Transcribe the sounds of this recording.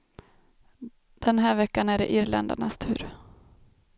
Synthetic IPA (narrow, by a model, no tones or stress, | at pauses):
d̪̥ɛnɦæːɾvɛkːanæɖɛʔɪɾlɛ̰nd̪a̰ɳast̪ʰʉ̟̰ːɾ